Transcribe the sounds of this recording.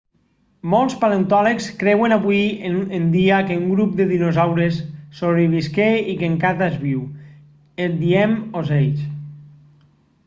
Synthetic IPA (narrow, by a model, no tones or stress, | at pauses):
mɔlˠspalent̪ɔlekskɾɛwenaβwieend̪iakeuŋɡɾup̚d̪eðinozawɾesːoβɾiβiskeikeŋkat̪azβiw | ed̪iɛmozejt͡ʃ